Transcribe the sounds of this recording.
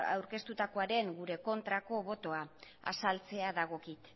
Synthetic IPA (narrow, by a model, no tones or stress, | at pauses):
a̰wɾke̞st̪ut̪ako̞aɾe̞ŋɡuɾe̞ko̞nt̪ɾako̞βo̞t̪o̞aa̰salt͡se̞aðaɣ̞o̞kit̪